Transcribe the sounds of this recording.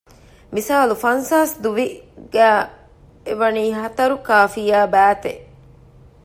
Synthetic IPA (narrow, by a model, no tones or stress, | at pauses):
misaːlufɐnsaːsd̪uʋiɡ̥æː | eʋɐniːɦɐt̪ɐɾukaːfijaːbæːt̪e